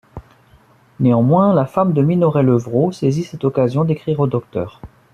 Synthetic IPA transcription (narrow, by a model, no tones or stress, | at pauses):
neɑ̃mwɛ̃lafamd̪əminɔʁɛləvʁosezisɛt̪ɔkazjɔ̃d̪ekχiʁod̪ɔk̚t̪œ̰ːʁ